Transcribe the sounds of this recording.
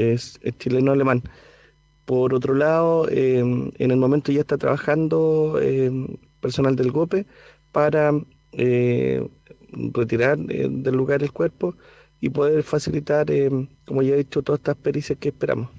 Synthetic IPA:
esḛt͡ʃilenoaleman | poɾot̪ɾolaðoeḛne̞lmo̞me̞nt̪oʝaeht̪at̪ɾa̰βaxand̪oḛ | peɾso̞nald̪elɣope | paɾa | e | ret̪iɾaɾḛðe̞lːuɣaɾelkwe̞ɾpo̞ | ipoðe̞ɾfasilit̪aɾekomoʝaðit͡ʃot̪oðe̥t̪aspeɾisjahkeːhpeɾa̰mos

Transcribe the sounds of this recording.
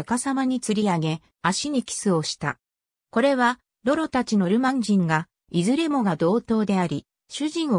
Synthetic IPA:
akasamaɲ̟it͡sɨɾʲiaɡe̞ | aɕiɲ̟ikʲi̥sɨo̞ɕi̥t̪a̰ | ko̞ɾe̞βa | ɾo̞ɾo̞t̪at͡ɕino̞ɾɯ̟mãɲ̟d͡ʑĩŋɡa | izɨɾe̞mo̞ɡad̪o̞ːt̪o̞ːd̪e̞aɾʲi | ɕɨʑĩɰ̃o

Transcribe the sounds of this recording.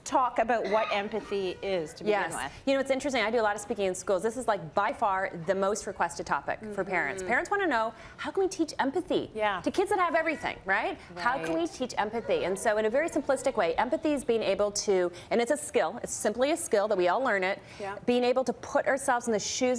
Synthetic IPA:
tʰɔkɨbaʊt̚wʌɾʔɛ̃mpɨθiɪz̥tʰɨjɛ̰jɨñoʊɨtsɪ̃nt͡ʃɹ̥ɨstɪ̃ŋaɪdɨəlɑɾə̥spikɪ̃ŋɨ̃nskulˠzðɪsɨzlaɪk̚b̥aɪfɑɹðɨmoʊst̚ɹɨkʰw̥ɛstɨd̚tʰɑpɨ̰kfə˞pʰɛɹɨ̰̃ntspʰɛɹɨ̃ntswɑ̃ɾ̃ɨnoʊ | haʊkʰə̃nwitʰit͡ʃɛ̃mpɨθḭtɨkʰɪdzðɨt̚həvɛvɹiθɪ̰̃ŋɹaɪt̚haʊkʰə̃nwitʰit͡ʃɛ̰̃mpɨθiɨ̃nsoʊɨ̃nɨvɛɹisɨ̃mpʰl̥ɪstɨkweɪʔɛ̃mpɨθiɨzbiɪ̃ŋeɪbl̩ˠtʰɨ | ɨ̃ñɨtsɨskɪlˠɨ̰tsɪ̃mpliɨskɪlˠðət̚wiɔlˠlɜ̃˞nɪt̚ | b̥iɪ̃ŋeɪbl̩ˠtʰəpʰʊɾʔə˞sɛlˠvzn̩ðɨʃʉz

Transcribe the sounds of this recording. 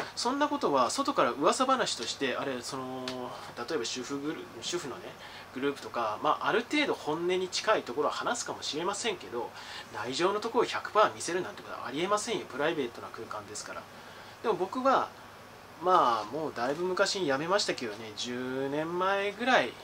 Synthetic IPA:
sõ̞nːako̞t̪o̞βaso̞t̪o̞kaɾaɯ̟βasabanaɕi̥t̪o̞ɕi̥t̪e̞ʔaɾe̞so̞no̞t̪at̪o̞e̞baɕɨɸɯ̟ɡɯɾ | ɕɨɸɯ̟no̞ne̞ | ɡ̥ɯ̟ɾɯ̟ːpɯ̟̥t̪okamaːʔːɾɯ̟t̪e̞ːd̪o̞hõ̞nːe̞ɲ̟it͡ɕi̥kait̪o̞ko̞ɾo̞ahanasɨ̥kamo̞ɕiɾe̞masẽ̞ŋke̞d̪o̞naiʑo̞ːno̞t̪o̞koɾoçakɯ̟̥pamʲise̞ɾɯ̟ndãnt̪ekot̪o̰ʔa̰ɾʲie̞masẽɰ̃jopɯ̟ɾaibe̞ːt̪ːo̞nakɯ̟ːkãnd̪e̞sɨ̥kaɾa̰ | d̪̥e̞mo̞bo̞kɯ̟βa | maːmo̞ːd̪aibɯ̟mɯ̟kaɕijame̞maɕi̥t̪ake̞d̪o̞ne̞d͡ʑɨːnẽ̞mːaeɡɯ̟ɾai

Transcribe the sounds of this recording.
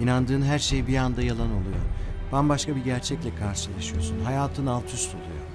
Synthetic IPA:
inand̪ɯːnɦæɾʃe̞jbiand̪ajalˠanolˠujo̰b̥ænbaʃkʰabiɟæɾt͡ʃʰɛclʲɛkʰaɾʃɯlˠaʃɯjosunɦajaːt̪ʰɯnalˠt̪ʰyst̪ʰolˠṵjo̰

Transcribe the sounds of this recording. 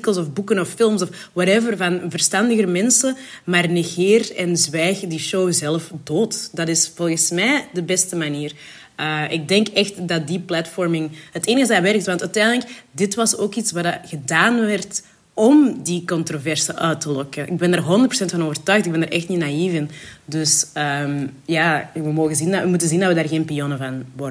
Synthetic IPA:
kəlˠsɔfbukənɔfːɪlˠmsɔf | waɾɛvərvɑnvərstɑndəɣəɾmɛnsəmaːrneɣɪːrɛnzʋɛːxdiʃowzɛləfdoːtdɑtɪsv̥ɔlˠɣənsmɛːdəbɛstəmaniːr | əɪɡ̚dɛŋkɛxtdɑt̚diplatfɔrmɪŋhəteːnəɣəzaʋɛrk̚tʋɑntœtɛndələkdɪtʋɑsoːkitsʋadaɣədaːnʋɛrt | ɔmdikɔntrovɛrsəʔœːtəlɔkəʔɪɡ̚bɛndarɦɔndərtpro̥sɛntfɑnoːvərtœɥxtɪɡ̚bɛndaɾʔɛxtninaivɪndɵsəmjaːʋəmoːɣənzinəmutənzindɑtʋədaːrɣeːnpionəvɑnʋɔrə

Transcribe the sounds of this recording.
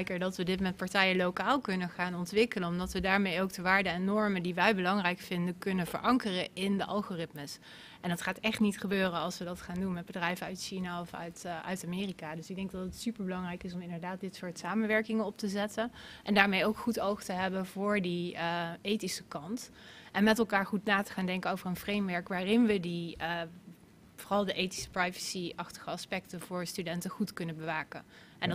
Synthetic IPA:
jkəɹdɑtʋədɪtmmɛnt̚pɑɹtɛjəlowkaːlˠkɵnəχaːnɔntʋɪkələnɔmdɑtʋədaːɹmejowk̚dəʋaːɹdəɛnːɔɹməndiʋɛjbəlɑŋrɛjkfɪndəkɵnəv̥ə̰ɹʔɑŋkərəɪndəʔɑ̰lˠχorɪtməs | ʔɛndɑtχaːtɛχtnitχəbøːrənɑlˠsʋədɑtχaːndunmɛd̚bədrɛjvənœɥtʃinaɔfœ̰ɥtœ̰ɥtamɪːrikadɵsɪɡ̚dɛŋɡ̚dɑtətsypəɹbəlɑŋrɛjkɪsɔmɪndəɹdaːt̚dɪtsʊːɹtsaːmənʋɛɹkɪŋənɔp̚təzɛtənʔɛndaːɹmejowkχutowχtəɦɛbənvʊːɹdiejtisəkɑnt | ʔɛnmɛtɛlˠkaːɹχutnaːtə̥χaːndɛŋkəowvərənvrejmʋɛɹkʋaːrɪnʋədi | voːrɑlˠdəʔejti̥sə̥prajvə̥siɑχtə̥χəɑspɛk̚təvʊːɹstydɛntəχutkɵnəbəʋaːkə̰ | ʔɛnd

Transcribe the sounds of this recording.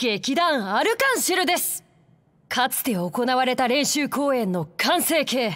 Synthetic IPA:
ɡ̥ekʲid̪ãɰ̃aɾɯ̟kãɰ̃ɕiɾɯ̟d̪e̞sɨ̥ | kʰat͡sɨ̥t̪e̞o̞ko̞naβaɾe̞t̪aɾẽ̞ɕɨːko̞ːẽ̞nːo̞kʰãɰ̃se̞ːke̞ː

